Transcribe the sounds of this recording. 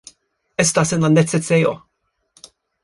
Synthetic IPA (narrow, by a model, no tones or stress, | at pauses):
ɛst̪ɐsɛnɐnːɛt͡sːɛt̪t͡sːɛjɔ̰